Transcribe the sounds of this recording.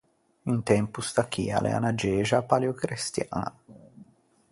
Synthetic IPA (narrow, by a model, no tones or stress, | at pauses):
int̪ɛmpust̪akʰːḭːa̰lʔḛa̰nad͡ʒɛːʒapaljukɾest̪jaːna̰